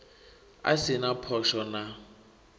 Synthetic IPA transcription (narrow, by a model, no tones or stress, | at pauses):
a̰sɪnapʰɔʃɔna